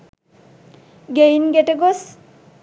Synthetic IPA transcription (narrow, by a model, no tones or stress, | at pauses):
ɡejnɡeʈeɡos